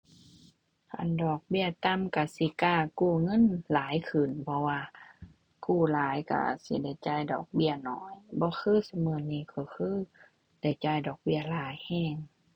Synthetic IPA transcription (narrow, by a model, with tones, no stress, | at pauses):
kʰa̰˧˨ndɔː˨˩k̚bi˧˨ɐt̪a˧˨mka˧˩si˧˦kaː˧˩kuː˧˩ŋɤ˧˥˨nlaː˨˦jkʰɯ˨˩npʰɔ˧˦waː˧ | kuː˧˩laː˨˦jka̰˧˩sḭ˧˦da˧˩jt͡ɕaː˧˩jdɔ̰ː˨˩k̚bi˧˥˨ənɔ̰ː˨˦jbɔː˧˦kʰɯː˧˥˨sa˧mɤː˧˩˨niː˧˨kʰɔ˧˩kʰɯː˧˥˨ | da˧˩jt͡ɕaː˧˩˨jdɔː˨˩k̚bi˧˩ɐlaː˨˦jhɛː˧˥˩ŋ